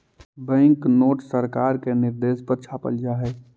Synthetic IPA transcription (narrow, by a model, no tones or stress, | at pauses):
bɛ̃ːŋknoːʈsəɾkaːɾkenɪɾd̪eːspəɾt͡ʃʰapə̰ld͡ʒaɦɛː